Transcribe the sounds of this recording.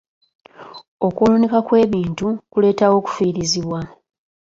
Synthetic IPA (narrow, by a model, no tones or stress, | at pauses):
o̞kulunikakwe̞ːβiːntukule̞ːtawo̞ːku̥fiːɾiziβwa